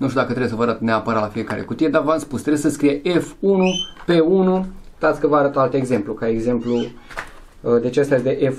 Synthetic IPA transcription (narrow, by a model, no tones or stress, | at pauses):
nuʃt̪ʲud̪akət̪ɾebjesəvəaɾat̪ne̞apəɾat̪lafijekaɾʔḛkut̪ijed̪avəamspust̪ɾebesəskɾijeʔefunupe̞unut̪at̪sʲkəvəaɾət̪əalt̪e̞ɡze̞mplukaeɡze̞mplu | d̪et͡ʃeast̪ajest̪eʔef